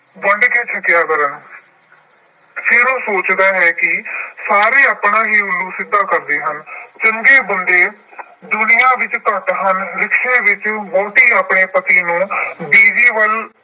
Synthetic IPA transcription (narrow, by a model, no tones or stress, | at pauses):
ʋəɳɖkeːt͡ʃʰəkjaːkəɾən | sʰɪɾõːsoːt͡ʃd̪aːɦɛːkɪsaːɾeːaːpɳãːɦiːʊluːsɪd̪ãːkəɾd̪eːɦənt͡ʃəŋɡeːbənd̪eː | d̪ʊnɪjãːʋɪt͡ʃt̪ət̪ɦənlɪkʰːẽːʋɪt͡ʃmoːʈiːaːpɳeːpət̪iːnũːbiːd͡ʒiːʋəl